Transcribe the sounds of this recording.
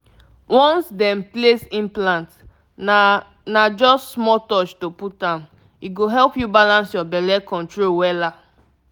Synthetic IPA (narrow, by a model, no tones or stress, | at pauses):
wɔ̃nsdɛ̃mplesĩnplãnt | nad͡ʒɔssmɔtɔt͡ʃtoput̚dãn | iɡoɦɛlpjubalãnsjɔbɛlɛkɔ̃ntɹolwɛla